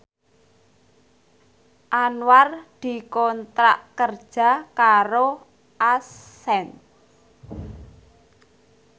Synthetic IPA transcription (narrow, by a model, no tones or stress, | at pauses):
ʔanward̪̥i̤kɔnt̪ɾaʔkərd̥ʒ̥a̤kaɾo | ʔas | ɛn